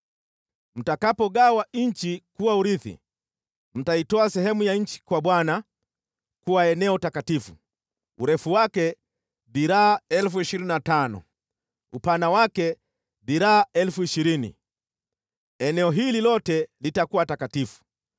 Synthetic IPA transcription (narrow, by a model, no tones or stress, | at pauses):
m̩takapɔɠawaɲ̩t͡ʃikuwauɾiθḭ | m̩taitɔasɛhɛmujaɲ̩t͡ʃi̥kwaɓwana | kuwaɛnɛɔtakatifu | ṵɾɛfuwakɛ | biɾaːɛlfuiʃiɾininatanɔ̰ | upanawakɛ | biɾaːɛlfuiʃiɾinḭ | ɛnɛɔɦililɔtɛlitakuwatakatifu̥